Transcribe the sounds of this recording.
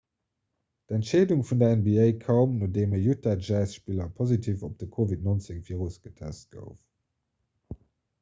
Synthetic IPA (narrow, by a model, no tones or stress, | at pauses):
d̥ɛntʃeɪduŋfundɐɛnbiɛɪkʰɑʊmnoːdeːməjutadʒaɪsʃpiːlɐpʰozitʰiːfop̚d̥əkʰovitnont͡seŋviːʁusɡ̥ətʰɛ̰st̚ɡ̥ə̰ʊf